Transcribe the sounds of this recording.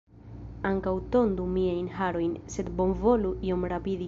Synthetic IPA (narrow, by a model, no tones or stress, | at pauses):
aŋkawt̪o̞nd̪umiajnɦaɾo̞jnse̞d̪bo̞nvo̞luio̞mɾapidi